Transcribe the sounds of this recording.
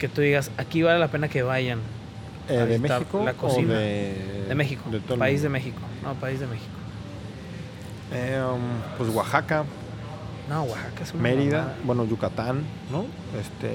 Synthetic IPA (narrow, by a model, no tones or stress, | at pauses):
ket̪uðiɣasakiβale̞lape̞nakeβaʝan | eβemeaikolakosinðeaeðemexikod̪et̪opaizðemexikonʔopaizðemexi̥ko̥ | empwesɣwaxaka | noɣwaxakaesumeɾiðabwenoʝukat̪anː | o | est̪ḛ